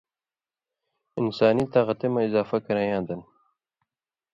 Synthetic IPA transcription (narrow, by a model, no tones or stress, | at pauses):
ɪnsaːnit̪aɣɐt̪emɐizaːfɐkɐɾajãːd̪ɐn